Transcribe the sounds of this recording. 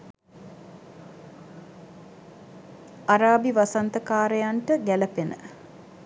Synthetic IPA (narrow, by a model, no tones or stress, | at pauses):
aɾaːbiʋasant̪əkaːɾəjaɳʈəɡæləpenə̰